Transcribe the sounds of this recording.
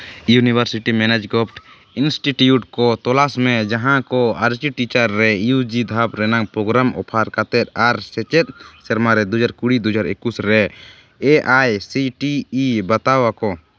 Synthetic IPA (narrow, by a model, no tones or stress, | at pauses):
junibʱaɾsiʈimɛnɛd͡ʒɡɔpʰʈ | insʈiʈjuʈkɔt̪ɔlasmɛd͡ʒaɦãkɔaɾt͡ʃiʈit͡ʃaɾːɛjud͡ʒid̪ʱapɾɛnaŋpɾɔɡɾamɔ̰pʰaɾkat̪ɛt̪̚aɾsɛt͡ʃɛt̪̚ˀsɛɾmaɾɛd̪ud͡ʒaɾkuɽid̪ɔd͡ʒaɾekːusɾɛ | eʔajsiʈiːbat̪awakɔ